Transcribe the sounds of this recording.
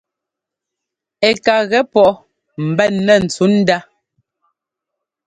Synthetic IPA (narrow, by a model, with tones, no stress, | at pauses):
ɛ˨ka˨ɣɛ˨˦pɔ˦ʔ | m̩˨bɛ˦˨nːɛ˦˨n̩˨t͡su˨˦n̩˦da˦